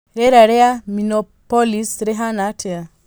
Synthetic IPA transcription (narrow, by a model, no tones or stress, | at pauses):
ɾɛɾaɾɛaminɔpɔlisɾɛɦanatʰea